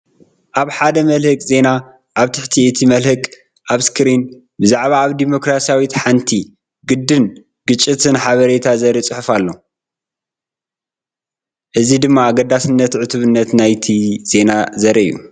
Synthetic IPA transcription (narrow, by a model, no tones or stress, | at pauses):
ʔaβħad̪ɐmɐlhɨkʼze̞na | ʔaβt̪ʰɨħt̪ʰiʔɨt̪ʰimɐlhɨkʼ | ʔaβskʰɨɾin | bɨzaʕβaːβd̪imo̞kɾasijawit̪ħant̪ʰi | ɡɨd̪ːɨn | ɡ̥ɨt͡ʃʼːit̪ʰɨnħaβɐɾe̞t̪ʰazɐɾit͡sʼɨħɨfalːo̞ | ʔɨzid̪ɨmːaːɡɐd̪asɨnːɐt̪ʕɨt̪ʰuβɨnːɐt̪najt̪ʰiz̥e̞nazɐɾɐɨ̰jːṵ